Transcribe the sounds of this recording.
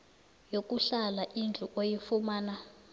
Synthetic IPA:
jok̬ʼuɬalaʔind͡ɮʱuʔojifumaːna

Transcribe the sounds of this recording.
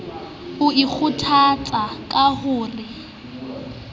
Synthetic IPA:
ʊik͡xʰʊtʰat͡sʼakʼahʊːrɪ

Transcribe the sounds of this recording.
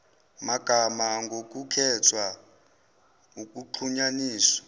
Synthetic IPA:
maɡ̥ʱamaŋɡok̬ʼukʰɛt͡sʰʼwa | uk̬ʼuǃʰuɲaniːswḁ

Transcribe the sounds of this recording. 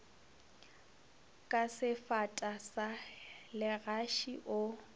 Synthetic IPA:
kʼasɪfatʼasalɪɣaʃiʔʊ

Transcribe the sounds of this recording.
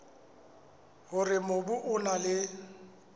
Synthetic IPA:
hʊrɪmobʊʔʊnalɪ

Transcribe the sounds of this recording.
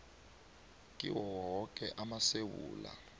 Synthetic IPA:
kʼiwɔɦɔkʼɛʔamasewuːla̰

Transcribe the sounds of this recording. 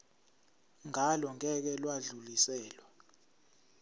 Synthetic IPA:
ŋalɔŋɛk̬ɛlwaɮulisɛːlwa

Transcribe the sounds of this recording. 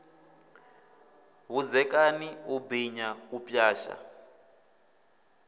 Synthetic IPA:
ɦud͡zɛkaniubiɲaupʼjaːʃa̰

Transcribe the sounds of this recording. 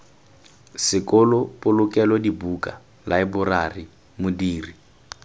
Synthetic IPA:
sɪkʼɔlɔpʼʊlʊkɛlɔdibukʼa̰ | laɪbʊrari | mʊdiːri

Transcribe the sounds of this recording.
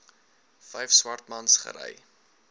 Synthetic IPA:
fɛjfswɐrtmɐnsχə̰ɾɛ̰j

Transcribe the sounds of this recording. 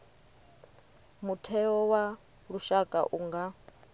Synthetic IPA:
mutʰɛɔwa | ɺuʃakʼa̰ʔuŋɡa

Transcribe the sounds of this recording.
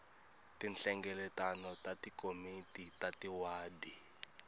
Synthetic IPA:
tinɬɛŋɡɛlɛtanɔtatikomititatiwaːdi

